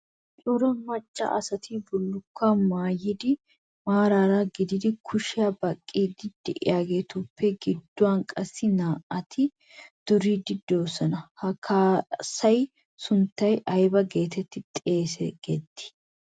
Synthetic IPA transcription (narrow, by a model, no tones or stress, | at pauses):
t͡ʃʼʊɾɐmɐt͡ʃʼːɐ̰ʔɐ̰sɐt̪ʰibʊlːʊkːamaːjɪd̪ɪ | maːɾaːɾaɡɪd̪ɪd̪ɪkʰʊʃɪjabɐkʼːiːd̪ɪd̪̥ːɪʔɪ̰jaːɡeːt̪uːpːɛɡɪd̪ːʊwankʼɐsːɪnaːʔɐt̪ʰɪ | d̪̥ʊɾiːd̪ɪd̪ːoːsɐnɐhɐkʰːaːsɐj | sʊnt̪ːɐjʔɐjbɐɡe̞ːt̪ɛt̪ːɪt̪ʼeːsɛ̰ɡ̥ɛt̪ːɪ̥